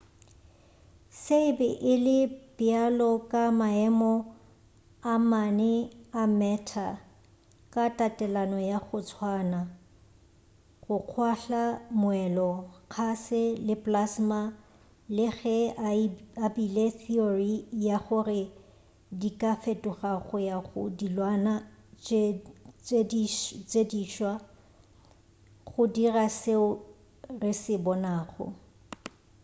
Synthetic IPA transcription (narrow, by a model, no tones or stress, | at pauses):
seɪbɛʔɪlɪb̥ɪalɔkʼamaɛmɔ | amanɛamɛtʰa | kʼatʼatʼɛlanɔjaɣʊt͡sʰwaːna | χʊq͡χʰwaɬamʊwɛlɔk͡xʰasɪlɪpʼlasma | lɪɣɛ | abileθiorijaχʊrɪ | dikʼafetʼʊχaɣʊjaχʊ̰dilwanat͡ʃ | et͡ʃʼediːʃwa | χʊdiraseʊ | rɪsɪbɔnaːχɔ̰